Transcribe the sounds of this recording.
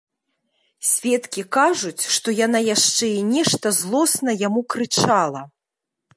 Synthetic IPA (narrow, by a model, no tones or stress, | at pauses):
sʲvʲɛt̪kʲikaʐut͡sʲʂt̪ɔjan̪ajaʂt͡ʂɛinʲɛʂt̪ɐzlˠɔsnɐjamukɾɨt͡ʂalˠɐ